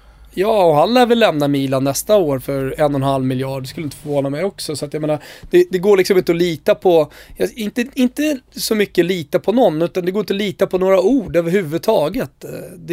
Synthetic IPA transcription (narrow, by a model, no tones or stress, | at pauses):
jɑːɔɦanlɛːvɪlːɛmnamiːlanːɛst̪aoːɾfœɾɛnːɔnhalvmɪljɑːɖɛskɵlːɪnt̪ə̥fɔɾvoːnamɛjɔksɔsɔat̪jajmeːnaɾd̪̥ɛd̪ɛɡoːɭɪksɔmɪnt̪əɔliːt̪apʰɔjaɪnt̪əɪnt̪əsɔmʏkːəliːt̪apʰɔnɔnːʉ̟ːt̪and̪ɛɡoːɾɪnt̪əɔliːt̪apʰɔnoːɾauːɖøːvəɾhʉ̟ːvɵd̪̚t̪ʰɑːɡət̪d̪ɛ